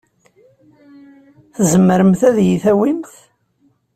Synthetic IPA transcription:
θəzəmːəɾəmθæðjiθæwimθ

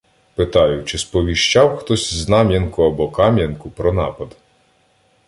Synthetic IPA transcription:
pɪt̪ɑjʊt͡ʃɪspɔʋʲiʃt͡ʃɑwxt̪ɔsʲznɑmʲjɐnkʊɐbɔkɑmʲjɐnkʊpɾɔnɑ̰pɐd̪

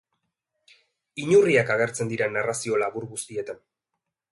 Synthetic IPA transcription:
iɲuriakaɣ̞e̞ɾt͡se̞nd̪iɾanarasio̞laβuɾɣust̪ie̞t̪an

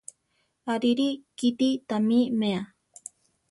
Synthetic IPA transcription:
aɾiɾikit̪it̪amimea

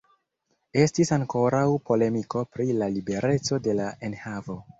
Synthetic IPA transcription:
e̞stisaŋko̞ɾawpo̞le̞miko̞pɾilalibe̞ɾe̞t͡so̞de̞lae̞nhavo̞

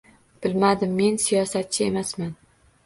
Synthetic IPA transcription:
b̥ɪlmad̪ɪmːe̞nsijɒsat̪̚t͡ʃʰɪe̞masman

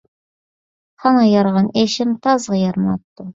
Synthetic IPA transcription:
hɑnɑjɑɾʁɑneʃɪmt̪ʰɑzʁɑjɑɾmɑt̪ːʊ

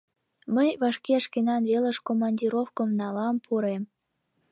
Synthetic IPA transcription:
məjβɑʃkeəʃkenɑnβelə̆ʃkomɑnʲdʲiɾofkə̆mnɑlɑmpʰuɾem

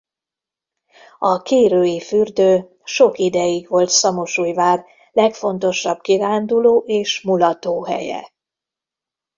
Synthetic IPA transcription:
ɒkeːɾøːjifyrd̪øː | ʃo̞kid̪ɛjiɡʋo̞lt̪sɒmoʃuːjvaːr | lɛkfo̞nt̪o̞ʃɒb̥kiɾaːnd̪uloːʔeːʃmulɒt̪oːɦɛ̰jɛ̰

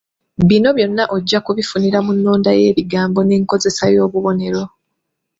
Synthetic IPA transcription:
βino̞βjo̞nːaʔo̞ɟːakuβifuniɾamunːoːndaje̞ːβiɡaːmbo̞neːŋko̞ze̞sajo̞ːβuβo̞ne̞ɾo̞

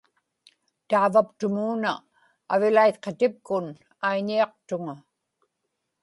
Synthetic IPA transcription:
t̪aːvapt̪ʊmuːnaː | vɪlajt̪̚qet̪ɪp̚kʊn | ajɲiɑq̚t̪ʊŋa

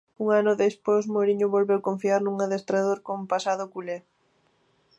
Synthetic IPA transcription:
uŋanʊðesposmoɾiɲʊβolβewkoɱfiaɾnuŋaðest̪ɾaðoɾkompasaðʊkule

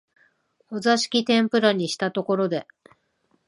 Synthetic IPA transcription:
ho̞zaɕi̥kʲit̪ẽ̞mpɯ̟ɾaɲ̟iɕi̥t̪at̪o̞ko̞ɾo̞d̪e̞

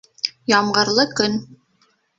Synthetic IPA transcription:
jɑmɢɤ̆ɾlˠɤkɵn

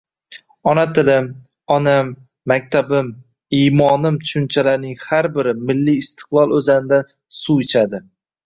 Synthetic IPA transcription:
ɒnat̪ʰɪlɪm | ɒnamː | ak̚ʲt̪ʰabɪm | ijmɒnɪmt̪ʰʊ̥ʃʊnt͡ʃʰalaɾnɪŋhaɾbɪɾɪmɪlːijːst̪ʰɪ̥qlˠɒlˠɵzanɪd̪a | suɪt͡ʃʰad̪ɪ

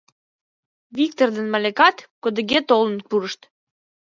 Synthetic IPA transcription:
βikt̪ord̪ənmɑlʲekɑt̪kod̪ə̆ɣet̪olənpuɾəʃt̪

